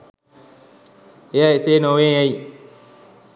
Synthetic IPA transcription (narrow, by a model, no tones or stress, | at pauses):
jaisenowẽai